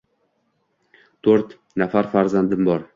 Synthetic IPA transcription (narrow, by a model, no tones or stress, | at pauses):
t̪ʰɵɾt̪ | nafaɾfaɾzand̪ɪmbɒɾ